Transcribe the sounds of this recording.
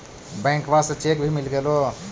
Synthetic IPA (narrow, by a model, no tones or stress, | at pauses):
bɛ̃ŋkbasə̃t͡ʃekbʱimilɡelo